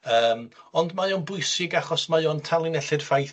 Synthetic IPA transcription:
əːmɔndmajoːnbʊjsɪɡaχɔsmajontʰalˠɪnɛɬɪd̥faj

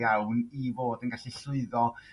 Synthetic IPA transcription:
awnivoːdənɡaɬiɬʊɨðɔ

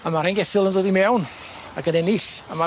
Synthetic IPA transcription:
amaɾɛnɡɛθɪlˠəndoːdimɛwn | aɡənɛnɪɬama

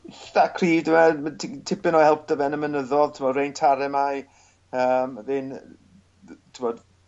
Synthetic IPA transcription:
sakʰr̥iːdɪmɛtʰtʰɪpɪnɔhɛlˠp̚d̥əvɛnəmənəðɔðtʰɪmɔdrejntʰaɾɛmaj | əːmðɪn | tʰɪmɔd

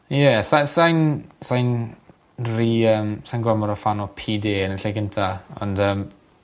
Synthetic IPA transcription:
jɛsasajnsajn | riəmsajnɡwamɔɾɔfanɔpʰiːdeːənəɬaɡɪntʰaɔ̰̃ndəːm

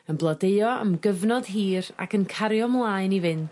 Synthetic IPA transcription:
ənblˠɔdeɨɔə̰mɡəvnɔd̥ɦiːɾa̰kʰənkʰaɾjɔmlˠaːɨnivɪn

